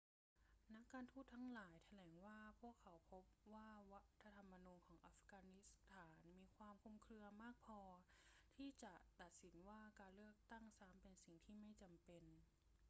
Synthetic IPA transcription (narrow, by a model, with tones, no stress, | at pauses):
na˦˥kːaː˧nt̪ʰuː˥˩t̪ʰːa˦˥ŋlaː˩˦jt̪ʰa˧lɛː˩˦ŋwaː˥˩pʰu˥˩əkʰːa˩˦wpʰo˦˥p̚waː˥˩wa˦˥t̪ʰːa˧t̪ʰa˧mːa˧nuː˧nkʰɔː˩˦ŋʔa˦˥fkaː˧ni˦˥st̪ʰaː˩˦nmiː˧kʰwaː˧mkʰu˧mkʰɾɯ˧ɐmaː˥˩k̚pʰɔː˧t̪ʰiː˥˩t͡ɕa˨˩t̪a˨˩t̪̚si˩˦nwaː˥˩kaː˧nlɯ˥˩ək̚t̪a˥˩ŋsaː˨˦˥mpe˧nsi˨˩ŋt̪ʰiː˥˩ma˥˩jt͡ɕa˧mpe˧n